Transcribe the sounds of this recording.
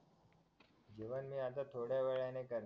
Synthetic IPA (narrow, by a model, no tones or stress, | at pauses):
d͡ʑeʋənmĩat̪at̪ʰoɽjaʋeɭanekəɾ